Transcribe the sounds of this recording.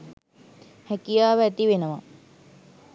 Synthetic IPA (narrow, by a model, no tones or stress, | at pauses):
hækijaːʋəæt̪iʋenəʋa